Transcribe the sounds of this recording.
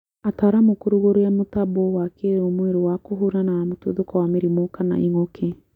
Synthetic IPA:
ataɾamokoɾuɣoɾoamotabowakeɾomweɾowakoɦuɾanaamoto̰ðokɔwameɾimokana̰ʔiŋokʰe

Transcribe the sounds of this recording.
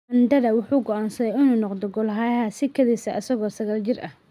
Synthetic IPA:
ɐnd̪ɐðɐwʊħuːɡɔʔaːnsɐðɛjɪnuːnɔqd̪ɔɡɔlɦaːjɦaːsɪkʰɐðiːsɐʔɐsɐɣɔːsɐɣaːld͡ʒɪrʔɐ̰h

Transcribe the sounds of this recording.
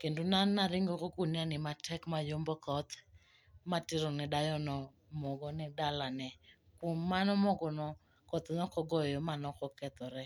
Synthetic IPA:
kendonanːaɾɪŋɡokokunianɪmatʰɛkmajombɔkɔt̪ | matɪɾɔnɛɗajɔnɔ | mɔɡɔnɪdalanɛ | kumanɔmɔɡɔnɔ | kɔt̪nɔkɔɡɔjɔmanɔkɔkɛt̪ɔɾɛ

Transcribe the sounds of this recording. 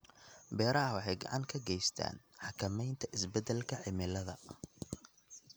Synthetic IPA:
bɛːɾɐɦɐwɑħɑjɡɑ̰ʕɑŋkʰɐɡɛjst̪ʰa̰ːnħɑkʰɐmɛjnt̪ʰɐʔɪsbɛd̪ɛlkʰɐʕɪmɪlɐðɐ̰

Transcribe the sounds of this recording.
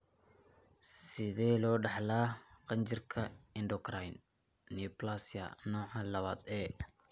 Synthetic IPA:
sɪðɛːlɔːɖɑħlaːqɑnt͡ʃɪrkʰɐɪndɔkrajnː | iplasjɐ̰nɔːʕɑlɐβaːd̪ɛː

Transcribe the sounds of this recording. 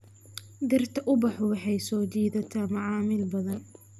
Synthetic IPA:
d̪ɪrt̪ʰɐʔʊbɑħɔwɑħɑjsɔːd͡ʒiːðɐt̪ʰaːmɐʕɑːmɪlbɐðɐn

